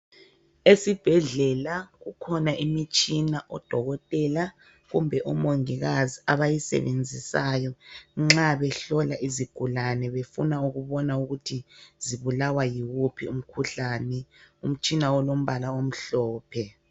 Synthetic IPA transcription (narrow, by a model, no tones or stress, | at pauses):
esib̥ʱɛɮɛlaɣukʰɔnaʔimit͡ʃʼinaʔɔd̥ʱɔɣɔtʼɛla | ɣumbʱɛʔɔmoŋiɣaziaβajisɛ̰βend͡zʱisajɔŋ͡ǁaβɛɬɔlaʔiziɡ̥ʱulanɛβefunauɣuβɔnauɣutʰiziβulawajiwupʰium̩kʰuɬaːnɛum̩t͡ʃʼinaɔlom̩βalaom̩ɬɔːpʰɛ